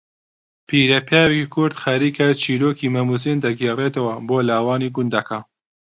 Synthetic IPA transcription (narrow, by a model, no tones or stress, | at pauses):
pʰiːɾɐpʰjaːwekikʰʊɾd̪xɐɾiːkʰɐt͡ʃʰiːɾoːkiːmɐmus̬ind̪ɐɡeːreːt̪ɐwɐboːlaːwaːniːɡʊnd̪ɐkʰa